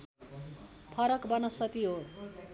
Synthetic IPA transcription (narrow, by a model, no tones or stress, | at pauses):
pʰʌɾʌkbʌnʌspʰʌt̪iɦo